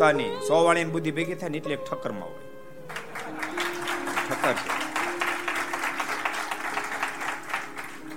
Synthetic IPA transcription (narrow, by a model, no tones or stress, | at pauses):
anisɔʋaɭjanbud̪ʱːibeɡit̪ʰanit̪lek̚ʈʰəkːəɾma̰w̰ | ʈʰəkːəɾ̰